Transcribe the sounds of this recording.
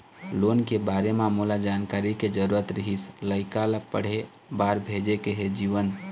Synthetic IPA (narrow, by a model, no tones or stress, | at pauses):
lonkebaɾememulad͡ʒankaɾiked͡ʒəɾuɾət̪ɾəɦisləɪkalapə̰ɽ̤e | baɾbʱed͡ʒekeɦed͡ʒiʋən